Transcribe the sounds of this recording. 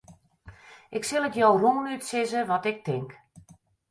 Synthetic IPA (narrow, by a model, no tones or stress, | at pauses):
ʔɪksɪlˠətjowroŋnytsɪzəʋɔtɪk̚tɪŋk